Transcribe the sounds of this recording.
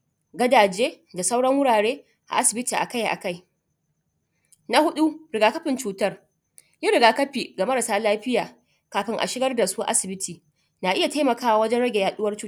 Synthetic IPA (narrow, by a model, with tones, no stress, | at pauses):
ɡɐ˦daː˨d͡ʒeː˦da˨sa˦wɽɐ˦ŋwʊ˦ɽaː˨ɽeː˦ | ʔa̰˨ʔa˦sɪ˨bɪ˦tiː˨ʔa̰˨ka˦jʔa̰˨ka˦˨j | na˦hʊ˦ɗu˦ɾɪ˨ɡaː˨kɐ˦ɸɪ˨nt͡ʃuː˦tɐ˦r | jɪ˦ɽɪ˨ɡaː˨kɐ˦ɸi˨ɡa˨mɐ˦ɾa˨saː˦laː˦ɸɪ˦jaː˨ | kaː˨ɸɪ˦ŋʔa̰˨ʃɪ˦ɡɐ˦rda˨su˦ʔa̰˦sɪ˨bɪ˦tʰiː˨ | naː˨ʔɪ˦ja˨taː˦mɐ˨kaː˦wa˨wɐ˦d͡ʒɛ˦ɽɐ˦ɡʲe˨jaː˨ɗʊ˦wɐ˦rt͡ʃuː˦